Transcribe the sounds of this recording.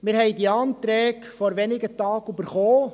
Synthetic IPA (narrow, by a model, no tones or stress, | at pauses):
mɪɾhɛjdiɑːnt̪ɾɛːkfɔɾʋɛnɪɡətɑːɡybəɾχoː